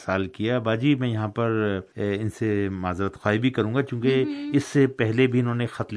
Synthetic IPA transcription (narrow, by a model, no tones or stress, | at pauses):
saːlkijabaːd͡ʒiːmɛ̃jɐɦãpɐɾɪnsemaːzɾət̪xwaːibʱikɐɾũːŋɡakjũːkeɪsːepɛɦlebʱiɪnɦõːnexɐt̪l